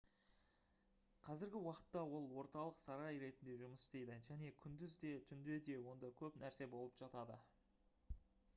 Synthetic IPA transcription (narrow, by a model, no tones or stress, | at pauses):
qʰɑzɪɾɡʲɪwɑqə̥t̪ːɑwo̞lˠwo̞ɾt̪ɑlˠəqsɑɾɑjɾe̞t̪ɪnd̪e̞ʒʊməsst̪e̞jd̪ɪʒæne̞kʲʰʏnd̪ɪzd̪e̞t̪ʰʏnd̪e̞d̪e̞wo̞nd̪ɑkʲʰɵpnæɾse̞bo̞lˠəpʒ̥ɑt̪ɑd̪ə